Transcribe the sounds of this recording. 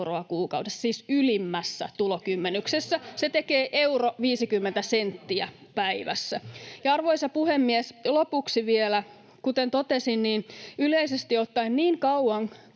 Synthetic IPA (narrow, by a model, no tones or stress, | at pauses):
roɑkuːkɑuwdessiːsylimːæsːæ̰t̪ulokymːenyksesːæset̪ekeːʔeuroʋiːsikymːent̪æsent̪ːiæ̰pæiʋæ̰sːæjɑɑrʋoisɑpuhemːieslopuksiʋielæ | kut̪ent̪ot̪esinniːnyleisest̪iot̪ːɑinniːŋkɑuɑŋ